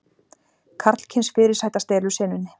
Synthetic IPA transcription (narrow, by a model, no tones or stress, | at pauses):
kʰaɾt̪l̥cʰɪnsfɪːɾɪɾ̥saːjt̪ast̪eːlʏsɛːnʏnːɪ